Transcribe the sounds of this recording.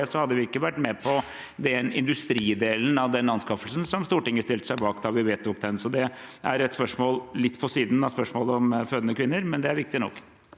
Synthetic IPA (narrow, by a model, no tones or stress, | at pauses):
əsɔhɑd̪ːəʋɪɪkːəʋæʈːmɛpʰɔ | d̪ɛnɪ̰nd̪ʉst̪ɾiːd̪eːln̩ɑʋd̪ɛnːɑnskɑfəlsn̩sɔmst̪uːʈɪŋːəʂt̪ɪlt̪ə̥sæɪbɑːkd̪ɑʋɪʋeːt̪ʊk̚d̪ɛnsɔd̪ɛʔæɾɛt̪spœʂmoːllɪt̪ːpʰɔsiːd̪n̩ɑspœʂmoːləɔmføːd̪ənəkʰʋɪnːəɾmɛnd̪ɛæɾʋɪk̚t̪ɪnɔ̰kː